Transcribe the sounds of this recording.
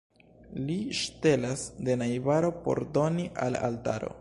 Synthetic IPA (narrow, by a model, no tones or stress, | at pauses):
liʃte̞lasde̞najbaɾo̞po̞̰ɾdo̞niʔala̰lta̰ɾo̞̰